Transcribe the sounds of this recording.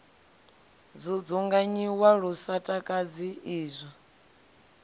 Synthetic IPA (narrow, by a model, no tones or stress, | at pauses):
d͡zʷud͡zuŋɡaɲiwaɺusatʼakʼad͡ziiːzʷa